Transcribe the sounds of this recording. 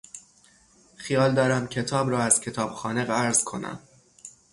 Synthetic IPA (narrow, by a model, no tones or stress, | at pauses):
xijɒːld̪ɒːɾæmcʰe̞t̪ʰɒːbɾɒːæz̥cʰe̞t̪ʰɒːb̥xɒːneɣæɾz̥kʰo̞næ̰m